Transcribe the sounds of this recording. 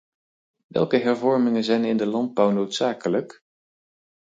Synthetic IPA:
ʋɛ̰lˠkəɦɛɹvɔɹmɪŋənzɛjnɪndəlɑnd̚bɔwnowtsaːkələk

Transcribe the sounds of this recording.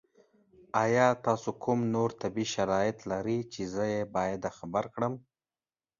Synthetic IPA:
ɑjɑt̪ɑsokʰumnoɾt̪abiʃaɾɑjɪt̪laɾit͡ʃezəjebɑjad̪axabaɾkɽəm

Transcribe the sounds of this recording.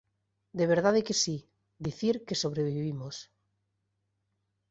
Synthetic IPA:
d̪eβ̞eɾð̞aðekesi | d̪iθiɾkesoβ̞ɾeβ̞iiβimos

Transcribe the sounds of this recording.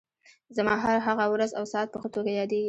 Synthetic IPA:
zamɑɦaɾɦaɣawɾazawsɑt̪̚pəxət̪oɡajɑd̪eɡi

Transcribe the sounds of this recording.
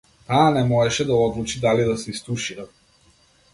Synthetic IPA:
aːnɛmɔɛʃɛd̪aɔd̪lˠut͡ʃid̪alid̪asɛist̪uʃiɾat̪̚

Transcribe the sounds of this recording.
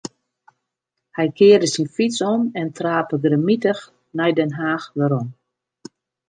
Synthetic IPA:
hɛjkʰɪːəɾəsinfisɔnɛntʰraːpəɡramitəx | nɛjdɛnɦaːxʋəɾɔn

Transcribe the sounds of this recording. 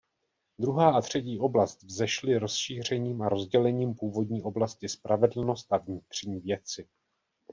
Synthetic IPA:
d̪ɾuɦaːʔat̪r̝̥ɛciːʔo̞blast̪vzɛʃlɪɾo̞sʃiːr̝ɛɲiːmaɾo̞zɟɛlɛɲiːmpuːvo̞dɲiːʔo̞blascɪspɾavɛdl̩no̞st̪ʔavɲɪt̪r̝̥ɲiːvjɛt͡sɪ

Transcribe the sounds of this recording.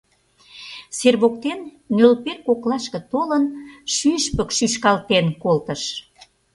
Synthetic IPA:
serβok̚t̪enː | ølperkoklɑʃkə̆t̪olənʃyʃpə̆kʃyʃkɑlt̪enkolt̪əʃ

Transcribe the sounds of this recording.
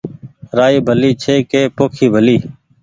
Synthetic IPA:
ɾaːiːbʱəliːt͡ʃʰeːkeːpoːkʰiːbʱəliː

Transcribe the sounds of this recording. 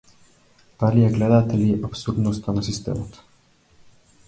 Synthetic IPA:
t̪alijɛɡlɛd̪at̪ɛlʲiʔapsuɾd̪nost̪anasist̪ɛ̰mat̪

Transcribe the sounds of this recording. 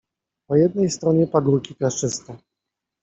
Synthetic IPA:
pɔjɛd̪̚nɛjst̪ɾɔɲɛpaɡuɾkʲiklaʂt͡ʂɘst̪ɛ

